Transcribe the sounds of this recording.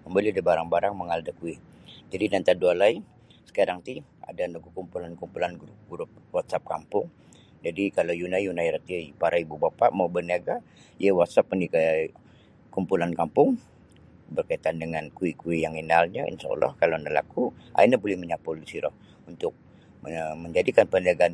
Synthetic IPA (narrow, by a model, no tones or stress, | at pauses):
məmbəliadabaɾaŋbaɾaŋməŋaldakui | d͡ʒadidant̪adualai | sə̥kaɾaŋt̪ia̰danaɡukumpulankumpulanɡɾup̚ɡuɾʊp̚wat̪̚sap̚kampʊŋ | d͡ʒadikalawjunajjunajɾat̪iaipaɾaibubapaʔmawbəniaɡa | iəwat̪̚sap̚ənika | kumpulankampʊŋ | bərkait̪andəŋankuikuijaŋinalɲaḭnʃa̰ɔ̰lːɔ̰hkalanala̰kua̰inabolɛhməɲapʊlisiɾɔh | unt̪ʊk̚ | məɲd͡ʒadikanpəniaɡan